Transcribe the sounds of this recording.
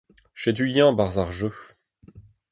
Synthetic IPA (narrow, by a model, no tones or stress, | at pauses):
ʃed̪yljɛ̃baʁzaʁʒø